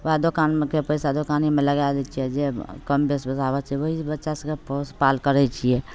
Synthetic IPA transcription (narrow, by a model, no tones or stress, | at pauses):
ʋad̪okaːnmekepəɪsad̪okanimẽləɡalɛt͡ʃʰiɛd͡ʒekəmbesbət̪aʋɛt͡ʃʰɛʋəɦibətːʃasə̃kepospaːlkəɾɛt͡ʃʰiɛ